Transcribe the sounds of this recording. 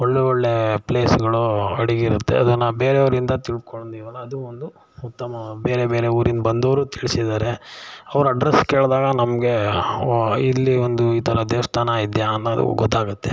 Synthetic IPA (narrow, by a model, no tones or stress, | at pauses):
ɔɭːeoɭːepleːsɡɐɭuɐɽiɡiɾut̪ːḛɐd̪unaːʋbe̞ːɾeɐʋɐɾind̪ɐt̪iɭ̚koɭnd̪iʋɐlːɐɐd̪uond̪u | ut̪ːɐmɐbe̞ːɾebe̞ːɾeuːɾind̪bɐnd̪ɐʋɾuːt̪ʰiɭisid̪aːɾe̞ɐʋɐɾɐɖɾeskeːɭd̪aːɡɐnɐmɐɡe̞ | ilːiond̪uiːt̪ʰɐɾɐd̪eːʋɐst̪ʰaːnɐid̪jaːnːɐɐd̪ṵɡɔt̪ːaːɡut̪ːe